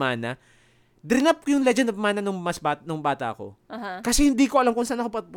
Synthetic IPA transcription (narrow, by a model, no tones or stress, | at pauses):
aːnɐ | d̪ɾɪnap̚kojʊŋlɛd͡ʒɛnd̪bmaːnɐnʊŋmɐsbanʊŋbaːt̪ɐ̰ʔɐko̞̰kɐsɛhɪnd̪iːkoʔɐlamkʊŋsaːnɐkopɐ